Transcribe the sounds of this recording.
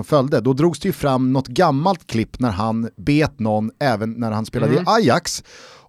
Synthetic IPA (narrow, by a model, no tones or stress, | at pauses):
ɔmfœld̪əd̪ɔd̪ɾuːɡsd̪ɛjɵfɾamːnɔt̪ɡamːalt̪kʰlɪpːnæɾɦanbeːt̪nɔnːɛːvənːæɾhanspeːlad̪əɪʔajaks